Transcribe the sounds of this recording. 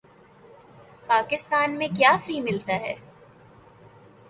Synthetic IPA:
paːkɪst̪aːnmẽkjaːfɾiːmɪlt̪aɦɛː

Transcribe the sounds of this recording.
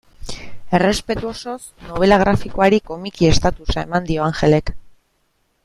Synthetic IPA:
e̞re̞spe̞t̪uo̞so̞sno̞β̞e̞laɣ̞ɾafiko̞aɾiko̞mikie̞st̪at̪usae̞mand̪io̞aŋxe̞le̞k

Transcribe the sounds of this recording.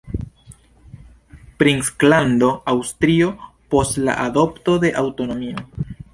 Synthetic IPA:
pɾiŋsklando̞awstɾio̞po̞stla̰ʔado̞ptode̞ʔawto̞no̞mio̞

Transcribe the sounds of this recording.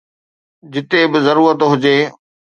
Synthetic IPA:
d͡ʑɪt̪ebɪzɐɾuːɾət̪ɦʊd͡ʑeː

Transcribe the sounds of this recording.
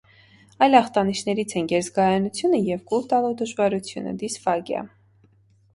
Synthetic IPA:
ɑjlɑχt̪ɑniʃnɛɾit͡sʰɛnɡɛɾzɡɑjɑnut͡sʰjunəjɛvɡult̪ɑlud̪əʒvɑɾut͡sʰjṵnə̰d̪isfɑɡjɑ̰

